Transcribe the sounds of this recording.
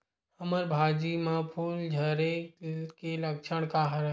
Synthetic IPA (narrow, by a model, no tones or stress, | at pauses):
həməɾbʱaːd͡ʒimãpʰuːld͡ʒʱəɾekeləkt͡ʃʰəɽ̃kaɦəɾ